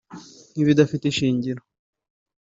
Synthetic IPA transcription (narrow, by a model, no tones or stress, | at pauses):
niβjidafiteʃiːɲɟiɾo